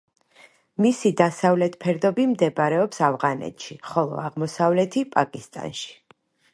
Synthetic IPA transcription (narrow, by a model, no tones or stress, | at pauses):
misid̪asavlɛt̪ʰpʰɛɾd̪ɔbimd̪ɛbɾɛɔpsavʁanɛ̰t̪ʰʃiχɔlˠɔ̰aʁmɔsavlɛt̪ʰipʼakʼist̪ʼa̰nʃi̥